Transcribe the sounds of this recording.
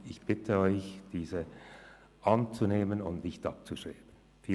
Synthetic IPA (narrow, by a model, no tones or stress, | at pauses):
ɪçb̥ɪtʰəɔʏçd̥iːzə | ʔant͡suneːmənʊntnɪçtʔɑp̚t͡suʃʁ̥eːb̥ən̩ | fiː